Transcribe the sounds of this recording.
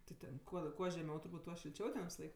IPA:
tʲɪ ˈtʲɛn kuɔ ˈkuɔ ʒʲɛˈmʲɛʊ tʊrˈbuːt ˈtuɔ ʃʲɪlʲˈt͡ʃʲɛʊ tʲɛn ʋʲɪsɐˈlˠɐɪk

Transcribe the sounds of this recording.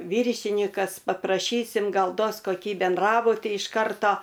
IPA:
ˈʋʲiːrʲʃʲɪnʲɪkɐs pɐprɐˈʃʲiːsʲɪm ˈɡɐlˠ ˈduɔs koːˈkʲiː bʲɛnˈdrɑːbʊtʲiː ɪʃ ˈkɐrtoː

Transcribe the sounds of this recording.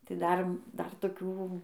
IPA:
tɐɪ ˈdɐr ˈdɐr toːˈkʲuː

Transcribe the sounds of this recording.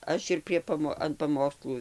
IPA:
ˈɐʃ ɪr pʲrʲiɛ pɐˈmoː ɐn pɐˈmoːkslˠuː

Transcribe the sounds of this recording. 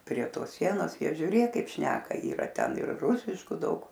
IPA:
pʲrʲiɛ ˈtoːs ˈsʲiɛnoːs ˈjiɛ ʒʲʊˈrʲeːk ˈkɐɪp ˈʃʲnʲæːkɐ iːˈrɐ ˈtʲɛn ɪr ˈruːsʲɪʃkuː ˈdɐʊk

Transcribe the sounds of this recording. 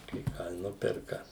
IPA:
kɐɪ ˈkɑː ɪ ˈnʊpʲɛrkɐ

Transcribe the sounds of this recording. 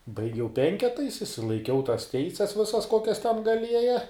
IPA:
bɐɪˈɡʲɛʊ ˈpʲɛŋʲkʲɛtɐɪs ɪʃʲsʲɪlˠɐɪˈkʲɛʊ tɐs ˈtʲɛɪsʲɛs ˈʋʲɪsɐs ˈkoːkʲɛs tʲɛn ɡɐˈlʲiɛjɛ

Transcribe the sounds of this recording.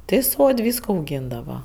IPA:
ˈtʲɪ ˈsoːtʲ ˈʋʲiːskoː ɐʊˈɡʲiːndɐʋɐ

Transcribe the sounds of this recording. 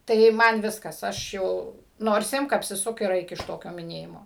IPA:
tɐɪ ˈmɐn ˈʋʲɪskɐs ˈɐʃ jɛʊ noːrs ˈɪmk ɐpʲsʲɪˈsʊk ɪr ˈɐɪk ɪʃ ˈtoːkʲoː mʲɪˈnʲeːjɪmoː

